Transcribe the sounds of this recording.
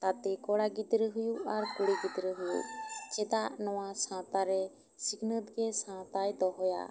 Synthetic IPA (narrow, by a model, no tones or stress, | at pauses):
t̪at̪ɛkɔɽaɡit̪ɾɛɦujuʔaɾkuɽiɡit̪ɾɛɦujṵʔt͡ʃɛt̪aʔnɔwasãt̪aɾɛ | sikʰnət̪ɡɛsãt̪ajt̪ɔɦɔja̰